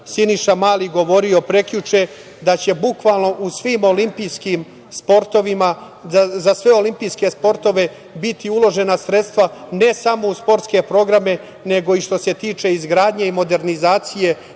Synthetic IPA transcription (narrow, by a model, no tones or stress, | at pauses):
siniʃamaːliɡo̞ʋo̞ɾio̞pɾe̞kʎut͡ʃe | d̪at͡ɕe̞bukʋaːlˠno̞ʔusʋiːmo̞limpijskim | spo̞ɾt̪o̞ʋima | azasʋe̞o̞limpijske̞spo̞ɾt̪o̞ʋe̞ | bit̪iulo̞ʒe̞nasɾe̞t̪st̪ʋane̞samo̞uspo̞ɾt̪ske̞pɾo̞ɡɾame̞ | ne̞ɡo̞iʃt̪o̞se̞t̪iːt͡ʃe̞izɡɾaːd̪ɲe̞imo̞d̪e̞ɾnizaːt̪sije̞